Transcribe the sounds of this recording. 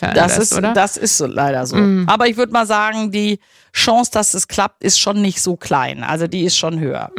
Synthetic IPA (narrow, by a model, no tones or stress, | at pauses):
d̥asɪsɐd̥asɪ̰stz̥oːlʔa̰ɪɾɐzo̰ːʔaːbɐɪç̬v̥ʏɐdəmaːlzaːɡŋ̩diː | ʃãŋsd̥asd̥askl̥ap̚tʔɪstʃoːnːɪçtz̥oːkʰl̥a̰ɪnʔa̰lzodiːɪstʃoːnɦø̰ːɐ̰